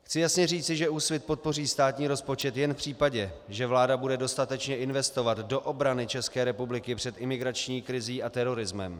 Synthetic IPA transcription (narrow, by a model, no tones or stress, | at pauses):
xt͡sɪjasɲɛriːt͡sɪʒɛuːsvɪt̪̚po̞t̪̚po̞riːst̪aːt̪ɲiːɾo̞spo̞t͡ʃɛt̪jɛnfpr̝̥iːpaɟɛʒɛvlaːdabudɛdo̞st̪at̪ɛt͡ʃɲɛʔɪnvɛst̪o̞vat̪do̞ʔo̞bɾanɪt͡ʃɛskɛːɾɛpublɪkɪpr̥ɛt̪ʔɪmɪɡɾat͡ʃɲiːkɾɪziːʔat̪ɛɾo̞ɾɪzmɛ̰m